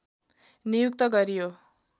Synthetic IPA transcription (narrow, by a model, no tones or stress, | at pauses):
nijukt̪ʌɡʌɾijo